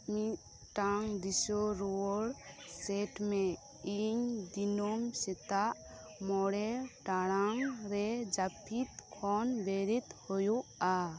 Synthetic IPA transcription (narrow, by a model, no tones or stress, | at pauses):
mi | ʈaŋd̪isɔɾoɔɽsɛʈmɛ | iɲd̪inomsɛt̪aʔ | mɔɽɛʈaɽaŋɾɛd͡ʒapʰit̪kʰɔnbeɾit̪hojuʔa